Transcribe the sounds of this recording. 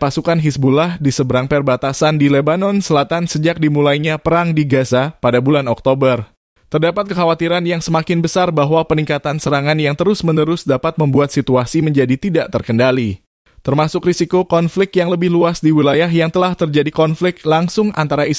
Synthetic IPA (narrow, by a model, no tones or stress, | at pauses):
pasukanɦisbulahdisəbəɾaŋpɛrbat̪asandilebanɔnsəlat̪ansəd͡ʒak̚dimulajɲapəɾaŋdiɡazapadabulanɔk̚t̪obər | t̪ərdapat̪̚kəhawat̪iɾanjaŋsəmakɪnbəsarbaɦwapəniŋkat̪ansəɾaŋanjaŋt̪əɾʊsmənəɾʊsdapat̪̚məmbuat̪̚sit̪uasiməɲd͡ʒadit̪idaʔt̪ərkəndali | t̪ərmasʊkrisikokɔnflɪk̪jaŋləbɪhluasdiwilajaɦjaŋt̪əlaht̪ərd͡ʒadikɔnflɪk̚t̪laŋsʊŋa̰nt̪aɾai